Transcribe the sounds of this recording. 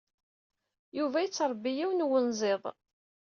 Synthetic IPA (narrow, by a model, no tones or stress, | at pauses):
juvæjət͡sːɾˤbːijiwnwənzˤeðˤ